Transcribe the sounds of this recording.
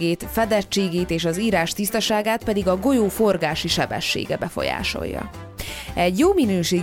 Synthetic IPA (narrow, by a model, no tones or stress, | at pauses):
eːt̪fɛd̪ɛt͡ʃːeːɡeːt̪eːʃɒziːɾaːʃt̪ist̪ɒʃaːɡaːt̪pɛd̪iɡɒɡo̞joːfo̞rɡaːʃiʃɛbɛ̰ʃːḛːɡɛbɛfo̞̰ja̰ːʃo̞̰jːɒ̰ | ɛɟjoːminøːʃeː